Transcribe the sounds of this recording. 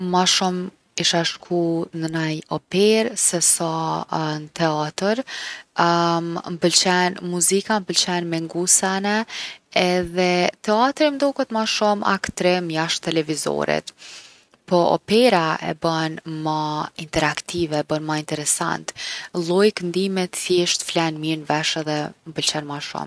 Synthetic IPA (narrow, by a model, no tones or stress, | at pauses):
maʃum | iʃaʃkʰunənajɔpɛɾsɛsanət̪ɛat̪əɾ | mpəlt͡ɕɛnmuzikampəlt͡ɕɛnmɛŋɡusanɛɛðɛt̪ɛat̪ɾimd̪ɔkət̪maʃuma̰kt̪ɾɛmjaʃt̪ɛlɛvizɔ̰ɾḭt̪ | pɔɔ̰pɛɾaɛ̰bənmaint̪ɛɾakt̪ivɛbənmaint̪ɛɾɛsa̰nt̪lˠɔjknd̪imɛt̪θjɛʃt̪flɛnmiɾnvɛʃɛðɛməbəlt͡ɕɛnmaʃṵm